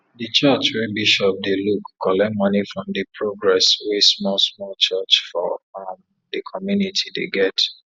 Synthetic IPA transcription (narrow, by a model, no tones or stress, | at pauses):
dət͡ʃat͡ʃwɛbiʃɔp̚delukʰːɔlɛmɔnifɹɔ̃mdəpʰɹoɡɹɛswɛsmɔlsmɔlt͡ʃat͡ʃfɔm | dəkʰɔmjunitʰidḛɡɛt